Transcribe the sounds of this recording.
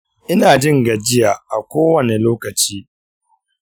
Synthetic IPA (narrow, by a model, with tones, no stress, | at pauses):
ʔɪ˦naː˨d͡ʒɪ˦ŋɡɐ˨d͡ʒɪ˦jaː˨ʔa˨kʷoː˦wɐ˨ne˨loː˦kɐ˨t͡ʃiː˦